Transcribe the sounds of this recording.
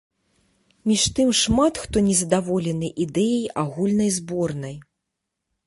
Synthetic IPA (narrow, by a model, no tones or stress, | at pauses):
mʲiʂt̪ɨmʂmat̪xt̪ɔnʲɛzɐd̪avɔlʲɛnɨʔid̪ɛjɐjʔaɣulʲnɐjzbɔrnɐj